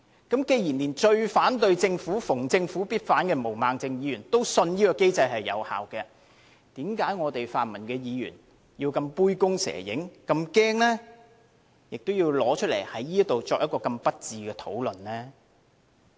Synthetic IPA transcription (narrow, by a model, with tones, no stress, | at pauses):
kɐ˨˥mke˧jiː˨˩nliː˨˩nt͡ʃɵ˧ɥfaː˨˥nt̪ɵ˧ɥt͡sɪ˧ŋfuː˨˥fʊ˨˩ŋt͡sɪ˧ŋfuː˨˥piː˥t̚faː˨˥nkɛː˧mo˨˩wmaː˨˧ŋt͡sɪ˧ŋjiː˨˧jyː˨˩nt̪o˥wsɵ˧njiː˥kɔː˧ke˥jt͡sɐ˧jhɐ˨jːɐ̰˨˧wha̰ː˨wkɛː˧ | t̪iː˨˥mkaː˨˥jŋɔː˨˧t̪e˨jfaː˨nmɐ˨˩nkɛː˧jiː˨˧jy̰ː˨˩n | ji˧wkɐ˧mpuː˥jkʊ˥ŋsɛ̰ː˨˩jɪ̰˨˥ŋkɐ˧mkɛː˥ŋlɛː˥ | jɪ˨k̚t̪o˥wjiː˧wlɔː˨˥t͡ʃʰɵ˥t̚lḛ˨˩jhɐ˨˥jiː˥ɐ˥t̚t̪o˨wt͡sɔː˧k̚jɐ˥tkɔː˧kɐ˧mpɐ˥t̚t͡siː˨˧kɛː˧t̪ʰo̰˨˥wlɵ˨nlɛː˥